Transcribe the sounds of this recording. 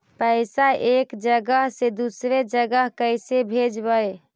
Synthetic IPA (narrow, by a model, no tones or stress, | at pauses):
pəɪsaʔekd͡ʒəɡəɦsed̪usɾed͡ʒəɡəɦkəjsebʱed͡ʒbəj